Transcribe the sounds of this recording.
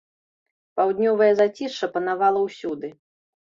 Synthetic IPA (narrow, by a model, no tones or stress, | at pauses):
pawd̪ʲnʲɔvɐjɛzat͡sʲiʂʂɐpɐnavalˠɐwsʲud̪ɨ